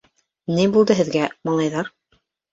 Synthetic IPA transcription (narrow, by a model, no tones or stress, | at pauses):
nɘjbulˠd̪ɤɦɘ̆ðɡæmɑlˠɑjðɑɾ